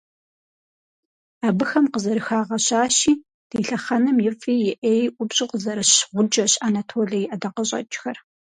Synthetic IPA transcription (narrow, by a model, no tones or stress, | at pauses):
abɨxɐmqəzɐɾɨxaːʁɐɕaːʃiː | d̥iːɬɐχɐnɐmjɪfʼiːjɪʔeːjʔʷʊbɕʼɪqəzɐɾɐɕʁʷʊd͡ʒʼɐɕanatʰoːɮijʔɐdɐqɐɕʼɐ̰t͡ʃʼxɐr